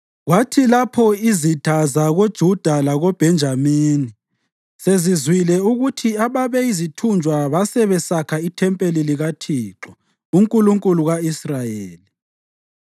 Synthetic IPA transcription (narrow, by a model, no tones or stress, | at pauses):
ɣwatʰilapʰɔizid̥ʱazaɣod̥ʒ̥ʱud̥ʱalaɣob̥ʱɛnd͡ʒʱamiːni | sezizwilɛuɣutʰiaβaβɛizitʰund͡ʒʱwaβasɛβɛsakʰaitʰɛmpʼeliliɣatʰiːǁɔ | uŋkʼuluŋkʼuluɣaisrajeːli